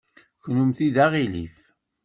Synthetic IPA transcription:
çnumθiðaʁilḭf

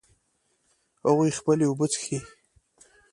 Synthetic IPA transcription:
haɣujxpəleubət͡sxi

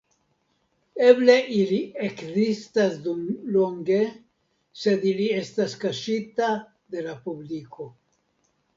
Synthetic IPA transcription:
e̞ble̞ʔiliekzistasdumloŋɡe̞ | se̞d̪ilie̞staskaʃita | d̪e̞lapubliko̞

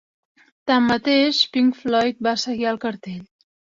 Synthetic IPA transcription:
t̪amːət̪eʃpiŋflɔjt̪̚basəɣiəlˠkəɾt̪eʎ

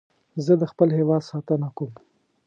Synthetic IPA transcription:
zəd̪əxpəlɦewɑd̪sɑt̪ənakom

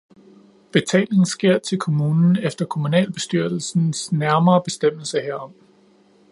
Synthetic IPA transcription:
b̥e̝t͡sʰɛ̰ːle̝ŋn̩sɡ̥e̝ɐ̰t͡sʰe̝lkʰo̝muːnn̩efd̥ɐkʰo̝munɛ̰ːlb̥e̝sd̥yɐ̰l̩sn̩snæɐmɐːb̥e̝sd̥em̰l̩səheɐ̰ɒ̽m

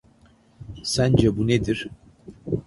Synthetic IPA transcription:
sænd͡ʒɛbuned̪iɾ̥

